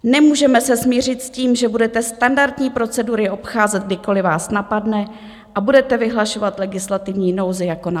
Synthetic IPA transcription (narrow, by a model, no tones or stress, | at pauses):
nɛmuːʒɛmɛsɛsmɲiːr̝ɪt̪sciːmʒɛbudɛt̪ɛst̪andaɾt̪ɲiːpɾo̞t͡sɛduɾɪʔo̞pxaːzɛd̪̚ɡdɪko̞lɪvaːsnapadnɛ | ʔabudɛt̪ɛvɪɦlaʃo̞vat̪lɛɡɪslat̪ɪvɲiːno̞wzɪjako̞na